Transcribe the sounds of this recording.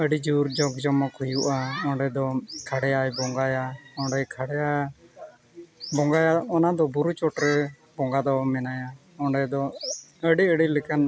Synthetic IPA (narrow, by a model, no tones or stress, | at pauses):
əɖid͡ʒuɾd͡ʒɔɡd͡ʒɔmɔkhujuʔaɔ̃ɳɖɛd̪ɔkʰaɽɛjajbɔŋɡajaɔɳɖɛjkʰaɽɛja | bɔŋɡajaɔnad̪ɔbuɾut͡ʃɔʈɾɛ | bɔŋɡad̪ɔmɛnaja | ɔɳɖɛd̪ɔəɖiəɽilɛkan